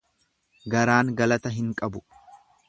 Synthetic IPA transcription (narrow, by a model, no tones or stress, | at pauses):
ɡɐɾaːŋɡɐlɐt̪ɐɦɪŋkʼɐbʊ